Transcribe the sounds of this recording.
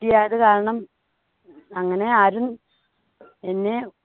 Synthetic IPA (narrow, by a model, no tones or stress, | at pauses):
ijaːjɐðɨkaːɾɐɳɐm | ɐŋːɐne̞aːɾun | enːe̞